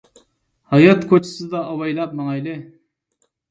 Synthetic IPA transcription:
hɑjɑt̪kʰot͡ʃʰɪ̥sɨd̪ɑːwɑjlˠɑp̚mɑŋɑjlɪ

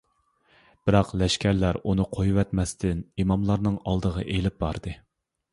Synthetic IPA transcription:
b̥ɪɾɑqlɛʃkʲʰæɾlæɾunɨqʰojuwɛt̪mɛst̪ʰɪnimɑmlˠɑɾnɨŋɑlˠd̪əʁɑ̰ʔelɪp̚bɑɾd̪ɨ

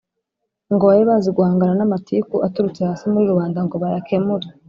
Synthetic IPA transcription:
ŋɡoβajeβaziɡuhaːŋɡananamatʰikuʔatuɾut͡sehaːsimuɾiɾuβaːndaŋɡo̞βajakʰemuɾe

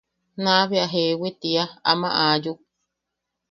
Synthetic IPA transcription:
nãβeaɦewit̪iaa̰mã̰ʔaːju

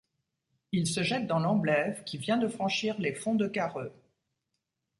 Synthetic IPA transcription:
ilsəʒɛt̪̚d̪ɑ̃lɑ̃blɛvkʲivjɛ̃d̪əfχɑ̃ʃiʁlefɔ̃d̪əkaʁø

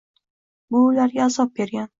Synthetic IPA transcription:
bʊːlaɾɡʲaːzɒp̚bʲe̞ɾɡʲan

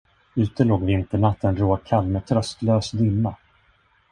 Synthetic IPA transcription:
ʉ̟ːt̪əloːɡvɪnt̪əɳat̪ːənɾoːkʰalːmɛt̪ʰɾœst̪løːsd̪ʏmːa

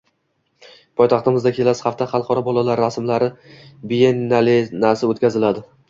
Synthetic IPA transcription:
pʰɒjt̪ɑχt̪ɪmɪzd̪akʲʰe̞lasχaft̪ʰaχɑlˠqʰɒɾɒbɒlˠalaɾːasmlaɾɪbijenalenasɪot̪kʲazɪlad̪ɪ

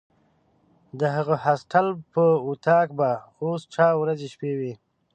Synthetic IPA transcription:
d̪əɦəɣəhasʈʰalpəut̪ʰɑkbaosʈ͡ʂɑwɾazeʃpewi

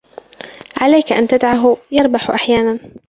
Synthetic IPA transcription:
ʕalajkaʔa̰nt̪ad̪ʕaɦjɑɾˤbaħʔaħjaːnan

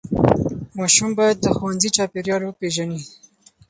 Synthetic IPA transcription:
mɑʃumbɑjad̪̚ːəxowanzit͡ʃɑpeɾjɑlopeʒani

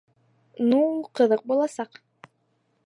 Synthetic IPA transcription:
nuqɤ̆ðɤq̚bulˠɑsɑq

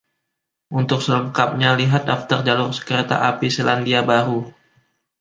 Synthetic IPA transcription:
ʔunt̪ʊk̚sələŋkap̚ɲaliɦat̪̚daft̪ərd͡ʒalʊrsə̥kəɾet̪a̰ʔapiselandiabaɾu

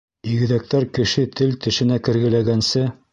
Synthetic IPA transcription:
iɣɘ̆ðæk̚t̪æɾkɘ̆ʃɘt̪ʰɘlt̪ɘ̆ʃɘ̆nækɘ̆ɾɡɘ̆læɡænsɘ

